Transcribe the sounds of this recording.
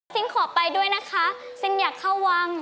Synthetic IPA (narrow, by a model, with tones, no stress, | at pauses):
sʰi˨˦˥ŋkʰɔː˨˩˦pa˧jdu˥˩əjna˦˥kʰa˦˥ | sɯ˥˩ŋjaː˨˩kʰːa˥˩wːa˧˩ŋ